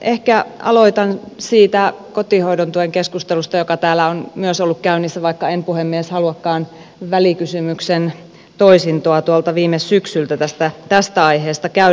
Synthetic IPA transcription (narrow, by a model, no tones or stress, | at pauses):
ʔehkæɑ̰loit̪ɑnsiːt̪ækot̪ihoidont̪ueŋkeskust̪elust̪ɑjokɑt̪æːlːæonmyøsolːukkæynːisːæʋɑikːɑempuhemːieshɑluɑkːɑːn | ʋælikysymyksen | t̪oisint̪oɑt̪uɑlt̪ɑʋiːmessyksylt̪æt̪æst̪æt̪æst̪æɑiɦeːst̪ɑkæy